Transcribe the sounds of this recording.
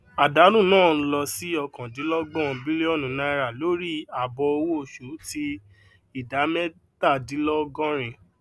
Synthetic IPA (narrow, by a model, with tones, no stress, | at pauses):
a˨da˨˦ɾũ˦˨nãː˦˨˧lɔ˧si˨˦ɔ˧kã˨di˨˦lɔ˦ɡ͡bɔ̃˦˨˧bi˦li˦ɔ˦˨nũ˨˦nã˧i˧ɾa˦˨lo˨˦ɾi˦a˨bɔ˧o˧wo˦o˨ʃu˨˦ti˧ | i˦˨da˨˦mɛ˦ | ta˦˨di˨˦lɔ˦ɡɔ̃˦ɾ̃ĩ˧